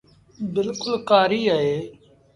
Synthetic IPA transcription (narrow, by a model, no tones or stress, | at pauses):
bɪlkʊlkaːɾiːaɦeː